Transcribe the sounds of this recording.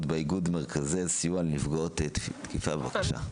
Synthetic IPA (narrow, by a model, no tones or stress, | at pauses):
tbeiɡudmeʁkʰaziazsijualnifɡaot̪et̪kifabevakaʃa̰